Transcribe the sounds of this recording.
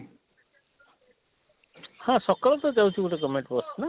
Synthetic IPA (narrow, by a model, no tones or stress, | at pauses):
hãsɔkalɔt̪ɔd͡ʒawtʰiɡuʈekɔmeɳʈpɔstna